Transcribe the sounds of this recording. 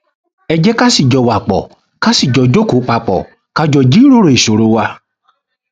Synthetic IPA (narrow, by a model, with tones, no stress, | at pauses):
ɛ˧d͡ʒɛ˦ka˦si˦˨d͡ʒɔ˨wa˨k͡pɔ̰˨ | ka˦si˦˨d͡ʒɔ˨d͡ʒo˦ko˨˦k͡pa˧k͡pɔ̰˨ | ka˧d͡ʒɔ˧˨d͡ʒi˦ɾo˦ɾo˨i˨so˨ɾo˨˦wa˧